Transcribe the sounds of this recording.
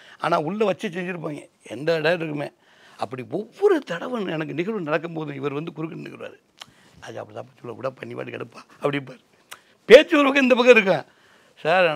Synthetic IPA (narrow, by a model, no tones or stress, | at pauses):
a̰ːnaːʊɭːɐʋɐt͡ʃːɐs̬ɛɲd͡ʒɪɾɯp̬ːaːŋɡɐ | ɛ̰nd̪ɐɽaːɾɪɾɯkːɯmḛː | ɐpːɐɽiɔʋːɔɾɯt̪ɐɽɐʋɐnɛnɐk̬ːɯnɪɣɐɭʋɯnɐɽɐkːɐmpoːðɯ̃ɪʋɐɾʋɐnd̪ɯkʊɾɯkːɐnnɯkːɯɾɯʋa̰ːɾɯ | aːja̰ɐpːɐɾt̪ã̰ːpːɐːt͡ʃːɔlːɐʋɪɽɐpːɐɳːipa̰ːʈikɐɽɯpːaːɐpːɐɽɪp̬ːaːɾɯ | peːt͡ʃːɯʋɐɾɯpɐk̬ːɐɪnd̪ɐpɐkːɐɪɾɯk̬ːãː | saːɾ